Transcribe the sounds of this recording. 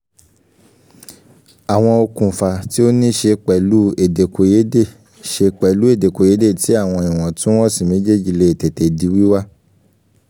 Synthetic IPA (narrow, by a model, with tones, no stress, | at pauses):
a˨w̃ɔ̃˧o˧kũ˨fa˨ti˦o˦nĩ˦ʃe˧k͡pɛ˨lu˨˦e˦˨de˨ko˨˧je˨˦de˦˨ | ʃe˧k͡pɛ˨lu˨˦e˦˨de˨ko˨je˨˦de˦˨ti˨˦a˦˨w̃ɔ̃˧ĩ˨w̃ɔ̃˨tũ˦ɔ̃˦˨si˨mĩ˨˦d͡ʒe˦˨˦d͡ʒi˨le˧e˨te˨te˨di˨˦wi˦wa˦